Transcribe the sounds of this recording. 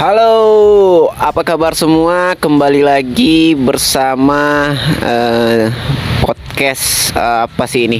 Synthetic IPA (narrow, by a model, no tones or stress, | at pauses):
halo | apakabarsəmuakəmbalilaɡibərsama | ə | pɔt̪̚kɛsəapasiːni